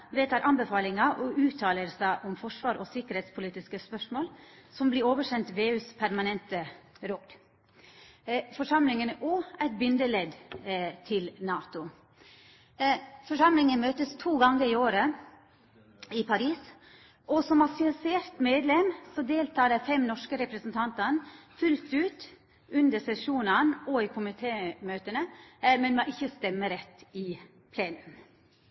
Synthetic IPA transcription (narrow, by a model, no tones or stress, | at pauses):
ʋeːt̪ʰɑːɾʔɑnbəfɑːlɪŋɑʔɔʔʉːt̪ʰɑːləɾsæɪʔɔmfɔʂʋɑːɾɔsɪkəɾheːt̪spʰʊliːt̪ɪskəspœʂmoːlsɔmblɪɾoːʋəʂɛnt̪ʋeːʉːspʰæɾmɑnɛnt̪ə | ɾod̪ | fɔʂɑmlɪŋənɔæɪt̪̚bʏnd̪əlɛd̪t̪ʰɪlnɑːt̪ʊ | fɔʂɑmlɪŋənmøːt̪əst̪ʰuːɡɑŋːəɾɪoːɾə | ɪpʰɑɾiːs | ʔɔsɔmɑsɪseːɾt̪meːd̪lɛmsɔd̪eːlt̪ʰɑːɾɛfɛmnɔʂkəɾɛpɾəsənt̪ʰɑnt̪ɑnfʉlt̪ʉːt̪ | ʉnd̪əɾsɛʂuːnənɔɪkʰʊmɪt̪ʰeːmøːt̪ənəmɛnmoʔɪçːəst̪ɛmːəɾɛt̪ːɪ | pʰleːnəm